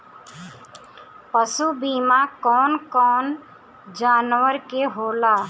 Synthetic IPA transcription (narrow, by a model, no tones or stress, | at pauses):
pəsubiːmakɔːnkɔːn | d͡ʒaːnʋəɾkeɦoːlaː